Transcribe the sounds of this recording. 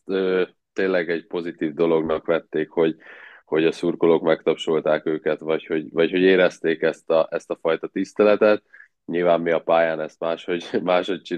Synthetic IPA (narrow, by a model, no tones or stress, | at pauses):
øː | t̪eːnlːɛɡɛɟpo̞zit̪iːvd̪o̞lo̞ɡnɒkʋɛt̪ːeːkho̞ɟho̞ɟɒsurko̞lo̞kmɛkt̪ɒpʃo̞lt̪aːkøːkɛt̪vɒcho̞ɟvɒcho̞ɟeːɾɛst̪eːkɛst̪ɒʔɛst̪ɒfɒjt̪ɒt̪ist̪ɛlɛt̪ɛt̪ | ɲilvaːmːiɒpaːjaːnɛst̪maːʃho̞ɟmaːʃho̞c̚t͡ʃi